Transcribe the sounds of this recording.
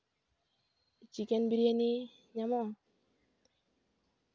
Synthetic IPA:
t͡ʃikenbiɾeni | ɲamɔ

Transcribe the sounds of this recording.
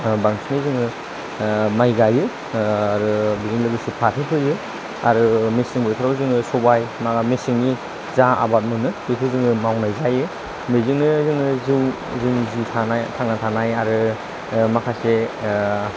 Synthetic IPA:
baŋsnizɯŋɯ | majɡajɯ | aɾɯbizɯŋlɯɡɯsupʰatʰepʰɯjɯ | aɾɯmesiŋbɔjt̪ʰɾabɯzɯŋɯsɔbajmaɡamesiŋni | zaʔa̰bat̚mɯnɯbitʰɯzɯŋɯmawnajzajɯ | mezɯŋnɯzɯŋɯzɯ | zɯŋzitʰanajtʰaŋnatʰanajaɾɯ | makʰase

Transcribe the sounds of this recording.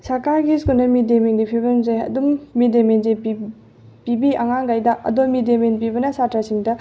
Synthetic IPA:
sɐɾkaɾɡiskunɐmidemiŋɡipʰibɐmzeɐ̰dumːidemenze | pibiɐŋaŋɡajdɐʔɐ̰domidemenpibɐnɐsatɾasiŋdɐ

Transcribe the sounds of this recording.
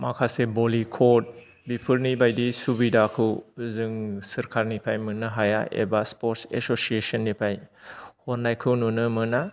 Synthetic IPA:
makʰasebolikʰot̚ | bipʰɯɾnibajdisubidakʰɯwzɯŋsɯɾkʰaɾnipʰajmɯnɯɦaja̰ḛbaspoɾtsḛsosiesɔnːipʰajhoɾnajkʰɯwnunɯmɯna

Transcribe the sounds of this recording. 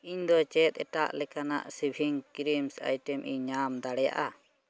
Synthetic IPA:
iɲd̪ɔt͡ʃɛt̪̚ˀɛʈaʔlɛkana̰ʔsibʱiŋkɾimsa̰jʈɛmʔiɲamd̪aɽɛja̰ʔa

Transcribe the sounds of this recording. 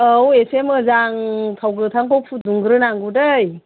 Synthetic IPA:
awesemɯzaŋtʰawɡɯtʰaŋkʰɔwpʰuduŋɡɯɾɯnaŋɡudɯj

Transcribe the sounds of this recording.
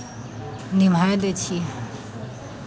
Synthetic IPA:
nim̤ajd̪et͡ʃʰi

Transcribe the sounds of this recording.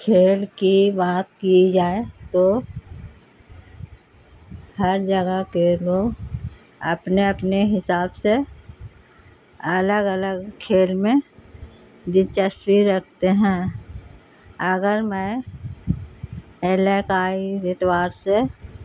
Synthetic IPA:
kʰeːlkibaːt̪̚kid͡ʒaːet̪o | həɾd͡ʒəɡəkeloːɡ | ə̰pneəpneɦɪsaːbse | ələɡələɡkʰeːlmẽ | d̪it͡ʃəswiɾək̚ʰt̪eɦɛ̃ | əɡəɾmɛ̃ | elekaːiɪt̪ʰwaːɾse

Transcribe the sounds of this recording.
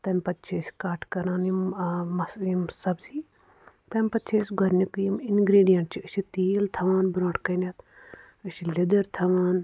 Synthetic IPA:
t̪ɐmpɐt̪t͡ʃʰeːsʲkaːʈʰkɐɾãːnimɐsimsɐbsiː | t̪ɐmpɐt̪ːt͡ʃʰeːsʲɡɐɾnʲikujiminɡɾiːɖijɐɳʈ̚t͡ʃʰiɨʃit̪iːlt̪ʰɐʋaːnbɾõːʈkɐnʲɐt̪ | ɨʃilid̪ɐɾt̪ʰɐʋaːn

